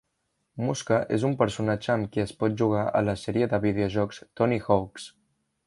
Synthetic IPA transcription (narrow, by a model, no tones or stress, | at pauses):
muskəʔezumpəɾsunad͡ʒəːmkiəspɔt̪̚ʒuɣ̞aʔə̰ləsɛɾiəðəβiðeuʒɔkst̪ɔnixɔwks